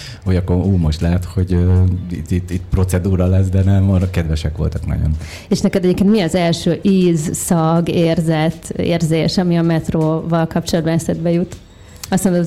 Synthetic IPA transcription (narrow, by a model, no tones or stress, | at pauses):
ujɒkːouːmo̞ʃt̪lɛɦɛt̪ho̞ɟøḭt̪ːit̪ːit̪pro̞t̪sɛd̪uːɾɒlɛs̬d̪ɛnɛmːɒɾkɛd̪ʋɛʃɛkʋo̞̰lt̪ɒknɒ̰ɟo̞̰n | eːʃnɛkɛd̪ɛɟeːpkeːnt̪miɒzɛlʃøːʔiːzsɒɡeːrzɛt̪ːḛːrzeːʃɒmiɒmɛt̪roːvɒlkɒp̚t͡ʃolɒd̪̚bɒnɛsɛd̪̚bɛjut̪ | ɒsmond̪o